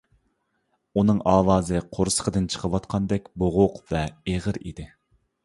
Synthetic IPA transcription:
unɨŋɑːwɑːzɨqʰoɾsə̥qʰəd̪ɨnt͡ʃʰə̥qʰəwɑt̪qʰɑnd̪ɛk̚ʲboʁʊqvɛeʁəɾḭd̪ɪ

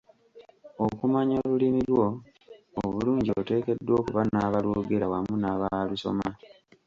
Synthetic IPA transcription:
okumaɲolulimiɾwo̞ | oβuluːɲɟio̰te̞ːke̞dːwo̞ːkuβanaːβalwo̞ːɡe̞ɾawamunaːβaluso̞̰ma

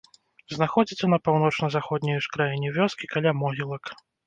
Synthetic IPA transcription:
znaxɔd͡zʲit͡sʲɛnɐpawn̪ɔt͡ʂnɐzaxɔd̪ʲnʲijʂkɾajinʲɛvʲɔskʲikalʲamɔɣʲilˠɐk

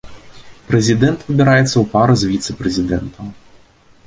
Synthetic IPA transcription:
pɾɛzʲɪd̪ɛnt̪vɐbʲiɾajɛt̪sʲːɐwpaɾɐzvʲit̪sɛpɾɛzʲɪd̪ɛnt̪ʰɐ

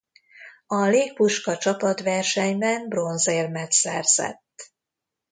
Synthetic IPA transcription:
ɒleːk̚puʃkɒt͡ʃɒpɒt̪vɛrʃɛɲbɛnbro̞nzeːrmɛt̪sɛ̰rz̥ɛ̰t̪ː

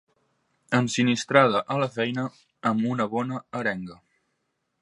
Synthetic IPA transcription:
ənsinist̪ɾað̞əʔələfɛjnə | əmunəβɔnəəɾɛŋɡə

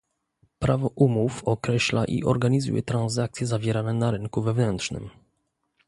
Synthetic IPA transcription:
pɾavɔʔumufɔkɾɛɕlaʔḭʔɔɾɡaɲizṵjɛ̰t̪ɾanzak̚t̪sʲjɛzavʲjɛɾanɛnaɾɘŋkuvɛvnɛnt̪ʂnɘ̰m

